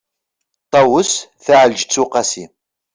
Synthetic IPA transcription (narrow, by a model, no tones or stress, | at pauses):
t̪ˤːɑwəsθaʕəld͡ʒt͡sːuqɑsi